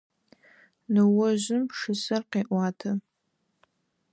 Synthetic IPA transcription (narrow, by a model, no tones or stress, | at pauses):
nɨwʊʒʷʊmʂɨsɨrqeːʔʷaːtʰɐ